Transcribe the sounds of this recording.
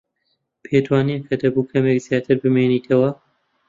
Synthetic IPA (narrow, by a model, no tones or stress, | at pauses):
pʰeːd̪waːnikʰɐd̪ɐbukʰɐmekzijaːt̪ʰɨɾbɨmeniːt̪ʰɐwɐ